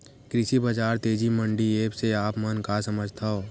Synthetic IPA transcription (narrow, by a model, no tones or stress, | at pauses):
kɾɪsibɐd͡ʒaːɾt̪eːd͡ʒimə̃ɳɖieːpseaːpmənkasəməd͡ʒʱt̪ʰaɦoː